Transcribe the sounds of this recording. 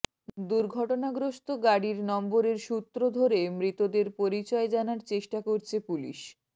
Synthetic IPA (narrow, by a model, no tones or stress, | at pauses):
d̪uɾɡʱɔʈonaɡɾoʃt̪oɡaɽiɾnɔmboɾeɾʃut̪ːɾod̪ʱoɾemɾit̪od̪eɾpoɾit͡ɕɔed͡ʑanaɾt͡ɕeʃʈakoɾt͡ɕʰepulḭʃ